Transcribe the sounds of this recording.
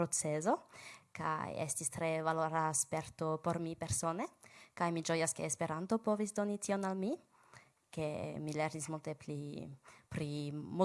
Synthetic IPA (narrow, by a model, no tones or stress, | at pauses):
ɾot͡sezo̞ka̰jḛstist̪ɾe̞valoɾaspe̞ɾto̞po̞ɾmipe̞ɾso̞ne̞kajmid͡ʒo̞jaske̞ːspe̞ɾanto̞po̞visdo̞nitio̞nalmi | kemileɾnismult̪e̞plipɾimu